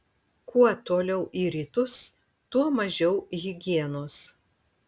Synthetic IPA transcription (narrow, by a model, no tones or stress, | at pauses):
kʰuɔt̪oːlʲɛʊʔiːɾʲiːt̪ʊs | t̪uɔmɐʒʲɛʊɣʲɪɡʲiɛnoːs